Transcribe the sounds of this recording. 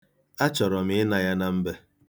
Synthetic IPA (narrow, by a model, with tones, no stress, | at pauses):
a˦t͡ʃɔ˨ɾɔ˨m̩˦ɪ˦na˨ja˦na˦m̩˦be˦